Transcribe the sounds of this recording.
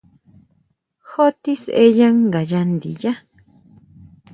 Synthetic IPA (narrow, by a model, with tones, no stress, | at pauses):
xo˦t̪i˦sʔe˧jã˦ŋɡa˨ja˧nd̪ḭ˨ja˦